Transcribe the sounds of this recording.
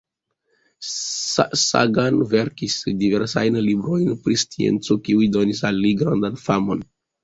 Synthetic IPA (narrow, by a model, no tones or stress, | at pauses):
sa̰ɡanve̞ɾkisdive̞ɾsajnlibɾo̞jnpɾist͡siḛnt͡sokiujdo̞nis̬alːiɡɾandanfamo̞n